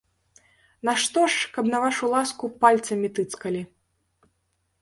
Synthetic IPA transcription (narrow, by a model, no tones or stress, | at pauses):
nɐʂt̪ɔʂkɐbnɐvaʂulˠaskupalʲt̪sɐmʲit̪ɨt̪skɐlʲi